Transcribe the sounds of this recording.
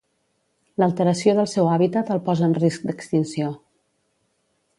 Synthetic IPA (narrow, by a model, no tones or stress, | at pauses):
ləlˠt̪əɾəsjoðəlˠsɛwaβit̪ət̪əlˠpɔzəːnrisk̚d̪əkst̪insio